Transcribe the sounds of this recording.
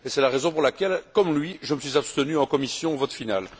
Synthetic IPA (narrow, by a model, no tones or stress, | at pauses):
esɛlaʁezɔ̃puʁlakʲɛlkɔmlɥiʒəməsɥizapst̪ənyɑ̃kɔmisjɔ̃vɔt̪final